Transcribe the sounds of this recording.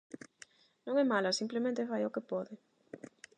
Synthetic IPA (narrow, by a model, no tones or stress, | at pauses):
nõŋɛmalasimplemẽnt̪efajokepɔðɪ